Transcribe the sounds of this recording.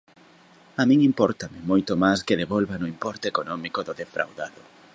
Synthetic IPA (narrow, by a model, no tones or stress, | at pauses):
amĩŋimpɔɾt̪amɪmojt̪ʊmajskɪðeβɔlβanʊimpɔɾt̪eekonɔmikoðʊðefɾʔa̰wðaðʊ